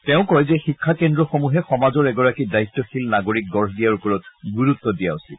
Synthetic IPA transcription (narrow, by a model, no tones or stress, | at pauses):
tɛʊ̃kɔjzɛxikʰːakendɹɔxomuɦɛxɔmazɔɹɛɡɔɹakidaitːɔxilnaɡoɹik̚ɡɔɹdijaɹupɔɹɔtɡuɹut̪ːɔdijaosil